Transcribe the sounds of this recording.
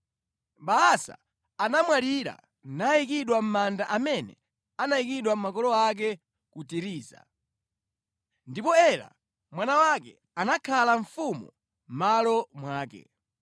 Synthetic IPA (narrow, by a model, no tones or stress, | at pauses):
ɓaasa̰ː | namwaliɾa̰ | naikiɗwam̩mandaʔamɛnɛ̰ | anaikiɗwam̩makɔlɔak̬ɛ | kutiɾiːza̰ | ndipɔɛla̰ | mwanawakɛ | anakʰalaɱfumṵ | m̩malɔmwaːkɛ̰